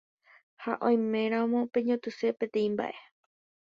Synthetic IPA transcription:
ha̰ʔõj̃mẽ̞ɾ̃ãõmõ̞pe̞ɲõt̪ɨse̞pẽ̞t̪ẽ̞ĩmba̰ʔe̞

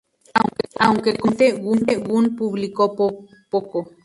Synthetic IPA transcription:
aawŋkekont̪ewunt̪ewunpuβlikopo | poko

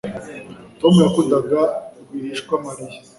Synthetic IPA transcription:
tomujakundaɡaiɾiːʃkwamaɾi

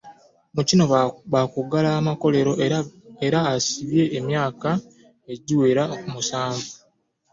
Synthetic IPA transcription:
mucino̞βakuɡalaːmako̞le̞ɾo̞eɾaːsiβje̞ːmjaːka | e̞ɟiwe̞ːɾakumusaːɱvu

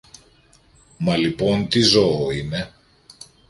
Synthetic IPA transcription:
mɐlipo̞nt̪izooine̞

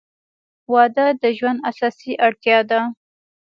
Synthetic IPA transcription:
wɑd̪əd̪əʒwand̪asɑsiʔaɽt̪jɑd̪a

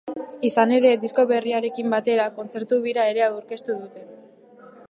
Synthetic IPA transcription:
isane̞ɾe̞d̪isko̞βe̞riaɾe̞kimbat̪e̞ɾako̞nt͡se̞ɾt̪uβiɾae̞ɾe̞auɾke̞st̪uðut̪e̞

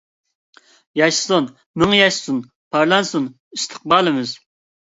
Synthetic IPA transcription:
jɑʃsun | mɨŋjɑʃsun | pʰɑɾlˠɑnsun | ist̪ʰə̥q̚bɑːlˠɨmɪz

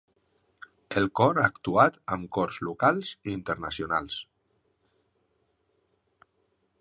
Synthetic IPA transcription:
əlˠkɔɾaːkt̪uat̪əmkɔrzlukalˠziint̪əɾnəsiunalˠs

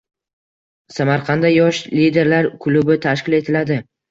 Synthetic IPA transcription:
samaɾqʰɑnd̪ajɒʃlid̪e̞ɾlaɾkʰʊlʊbɪt̪ʰaʃkʲɪle̞t̪ʰɪlad̪ɪ

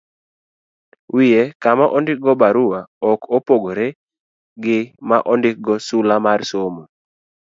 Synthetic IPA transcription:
wijekamaʔɔndɪk̚ɡɔbaɾʊwaɔkopoɡoɾe | ɡɪmaʔɔndɪk̚ɡɔsulamarsomu

